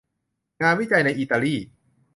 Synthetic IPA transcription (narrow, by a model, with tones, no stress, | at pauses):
ŋaː˧nwi˥˩t͡ɕa˧jna˧jʔiː˧t̪aː˧liː˥˩